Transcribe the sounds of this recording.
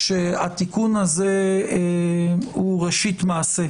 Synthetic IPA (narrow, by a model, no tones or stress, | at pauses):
ʃeatikunhaze | huʁeʃitmaːse